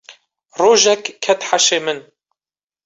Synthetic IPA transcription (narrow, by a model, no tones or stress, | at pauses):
roːʒɛkkʰːɛt̪ħaʃeːmɨn